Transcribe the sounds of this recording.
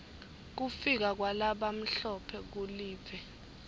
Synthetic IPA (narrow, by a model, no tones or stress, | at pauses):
k̬ufik̬ak̬walaɓam̩ɬɔpʰɛk̬uliːɛ